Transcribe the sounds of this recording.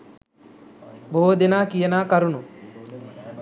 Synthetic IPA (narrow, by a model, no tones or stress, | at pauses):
bood̪enaːkijɐnaːkɐɾunu